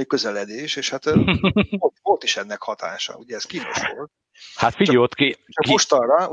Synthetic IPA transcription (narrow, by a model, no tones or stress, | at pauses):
ikøzɛlɛd̪eːʃeːʃhat̪ | olvolt̪iʃɛnːɛkhɒt̪a̰ːʃɒ̰uɟɛːskiːnoʃʃʋolt̪̚ | hat̪fioːt̪kit͡ʃɒkioʃt̪ɒrːɒ